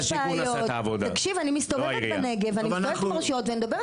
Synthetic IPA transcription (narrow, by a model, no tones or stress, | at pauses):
ʃaːjotavod̪aakʃivanimist̪oveʁneɡevanimst̪t̪maʁʃiot̪veanid̪abe